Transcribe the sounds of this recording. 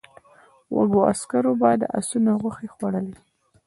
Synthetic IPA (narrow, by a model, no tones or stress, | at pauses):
wa̰ɡoa̰skaɾobɑjd̪əʔa̰sunoɣaxexwaɽəle